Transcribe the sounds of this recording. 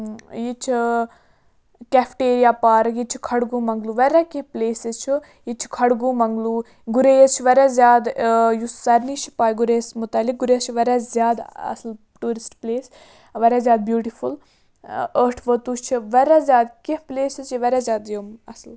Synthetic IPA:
jit͡ʃʰi | kʲɛfʈeːɾijaːpaːɾjit͡ʃʰikʰɐɽɡũːmɐŋɡluːʋɐɾʲakihpleːsizt͡ʃʰi | jit͡ʃʰi̥kʰɐɽɡũːmɐŋɡluː | ɡuɾezt͡ʃʰiʋɐɾaːzjaːd̪jusɐɾnit͡ʃʰi̥paːjɡuɾeːsmut̪ɐlːik̚ɡuɾeːzt͡ʃʰiʋɐɾazʲjaːd̪ɐ̰sl | ʈuːɾisʈpleːs | ʋɐɾazʲjaːd̪̚bjuːʈifʰul | əɾʈʰʋət̪uːt͡ʃʰiʋɐɾazjaːd̪kihpleːsizt͡ʃʰiʋɐɾʲaːzʲjaːd̪jomɐsl

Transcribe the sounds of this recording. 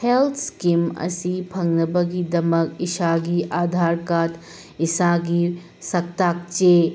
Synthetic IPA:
helt̪ʰskimɐ̰sipʰɐŋnɐbɐɡidɐmɐkisaɡiʔad̪ʱaɾkat̪ | isaɡi | sɐk̚t̪ak̚t͡ʃe

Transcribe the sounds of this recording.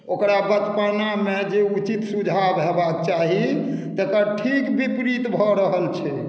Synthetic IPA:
okɾabət̪panamed͡ʒeut͡ʃit̪sud͡ʒʱabɦebak̚t͡ʃaɦit̪əkəɾʈʰikbipɾit̪bʱɔɾəɦəlt͡ʃʰɛ

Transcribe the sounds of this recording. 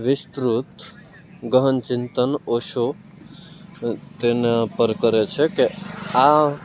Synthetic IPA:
ʋɪst̪ɾut̪ | ɡəɦənt͡ʃɪnt̪ənoʃo | t̪enepəɾkəɾet͡ʃʰekea

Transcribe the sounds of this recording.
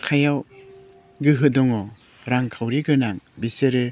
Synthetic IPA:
kʰajaw | ɡɯɦɯdɔŋɔ | ɾaŋkʰawɾiɡɯnaŋbiseɾɯ

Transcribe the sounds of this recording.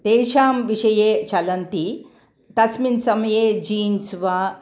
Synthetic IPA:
t̪eːʃaːmʋiʂɐjeːt͡ʃɐlɐnt̪i | t̪ɐsminsɐmɐjeːd͡ʒiːnsʋaː

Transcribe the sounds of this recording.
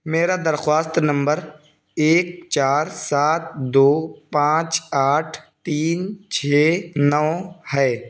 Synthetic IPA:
meːɾad̪əɾxwaːst̪nə̃mbəɾ | eːk̚t͡ʃaːɾsaːt̪̚d̪oːpãːt͡ʃaːʈʰt̪iːnt͡ʃʰeːnɔːhɛː

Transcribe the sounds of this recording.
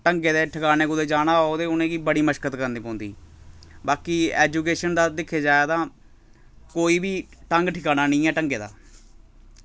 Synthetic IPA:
ʈəŋɡeːd̪eːʈʰəkaːneːkʊd̪eːd͡ʒaːnaːooːd̪eːʊnẽːɡiːbəɽiːməʃkət̪kəɾnd̪iːpõːnd̪ḭːbaːkiːɛːd͡ʒuːkeːʃənd̪aːd̪ɪkʰːeːd͡ʒaːet̪ãː | koːiːbiːʈəŋɡʈʰɪkaːnaːnĩːɛːʈəŋɡeːd̪a̰ː

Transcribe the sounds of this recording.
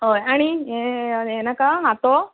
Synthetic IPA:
ɦojaɽ̃ieenakaɦat̪o

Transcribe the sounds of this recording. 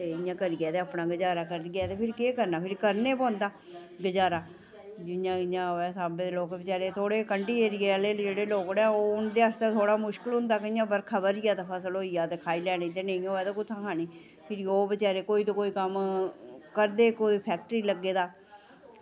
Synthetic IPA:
t̪eːɪjãːkəɾiɡɛːt̪eːaːpnãːɡəd͡ʒaːɾaːkəɾd̪iːɛːt̪eːpʰɪɾkeːkəɾnaːpʰɪɾkəɾneːpɔ̃ːnd̪aː | ɡəd͡ʒaːɾaː | d͡ʒɪjãːɪãːoːɛːsaːbẽd̪eloːkːbət͡ʃaːɾeːt̪ʰoːɽeːkəɳɖiːeːɾɪjeːəleːd͡ʒeːɽeːloːkɽaoːʊnd̪eːəst̪aːt̪ʰoːɽaːmʊʃkəlɦʊ̃nd̪aːkəijãːbəɾkʰəbəɾiaːt̪aːpʰəsəlɦoːijaːt̪eːkʰaːiːlɛːniːt̪eːnəĩːoːɛːt̪oːkʊt̪ʰːãːkʰaːniː | pʰɪɾioːbət͡ʃaːɾeːkoːiːt̪õːkoːiːkəm | kəɾd̪eːkoːipʰɛːk̚ʈəɾiːləɡːeːd̪aː

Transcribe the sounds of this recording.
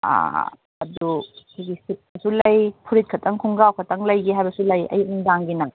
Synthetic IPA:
a̰ | ɐ̰dukʰiɡisit̚nɐsulɐjpʰuɾit̚kʰɐtɐŋkʰuŋɡawkʰɐtɐŋlɐjɡiɦajbɐsulɐjɐ̰jmdaŋɡinɐ

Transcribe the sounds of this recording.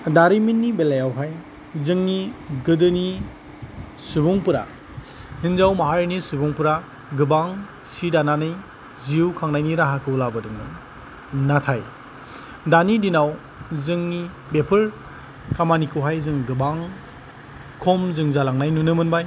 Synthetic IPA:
daɾiminːibelajawɦaj | zɯŋniɡɯdɯni | subuŋpɯɾa̰ | hinzawmaɦaɾinisubuŋpɯɾa | ɡɯbaŋ | sidananɯj | ziukʰaŋnajniɾaɦakʰɯwlabɯdɯŋdɯ | natʰaj | danidinaw | zɯŋni | bepʰɯɾ | kamanikɯwɦajzɯŋɡɯbaŋ | kʰɔmzɯŋzalaŋnajnunɯmɯnbaj

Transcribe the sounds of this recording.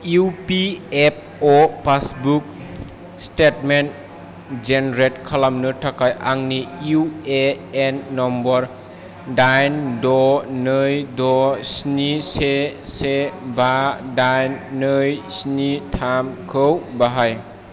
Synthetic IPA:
upiep̚ɔpʰasbuk̚ | stetmen | d͡ʒenɾetkʰalamnɯtʰakʰajaŋniue | enːɔmbɔɾ | dajndɔnɯjdɔsnisesebadajnːɯjsnitʰamkʰɯwbaɦaj

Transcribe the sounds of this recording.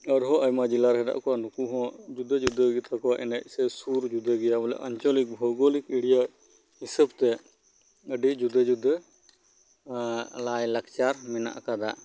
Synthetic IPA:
əɾɦɔ̃ʔəjmad͡ʒilaɾɦɛda̰ʔkɔwanukuɦɔ̃d͡ʒud̪ʱəd͡ʒud̪ʱəɡət̪ʰakɔwaʔɛnac̚sɛsuɾd͡ʒud̪ʱəɡɛjamɔlɛ̰ʔa̰ɲt͡ʃɔlik̚bʱɔɡɔlikiɽija | hisəbt̪ɛ | əɖid͡ʒud̪ʱəd͡ʒud̪ʱə | lajləkt͡ʃaɾmɛna̰ʔkad̪a̰ʔ

